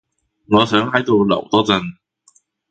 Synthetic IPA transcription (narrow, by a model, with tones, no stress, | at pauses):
ŋɔː˨˧sœː˨˥ŋɦɐ˨˥jt̪o˨˧wlɐ̰˨˩wt̪ɔː˥t͡sɐ˨˧n